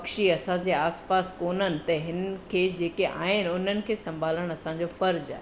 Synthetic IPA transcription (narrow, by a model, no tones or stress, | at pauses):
kʃiɐsãɲd͡ʑeaːspaːskoːnənɪ̆t̪ɐɦɪnkʰeːd͡ʑeːkeʔa̰ːɦɪnʊn̤ənɪ̆kʰeːsɐ̃mbʱaːləɽ̃ɐsãɲd͡ʑofɐɾd͡ʑa̰ːɦ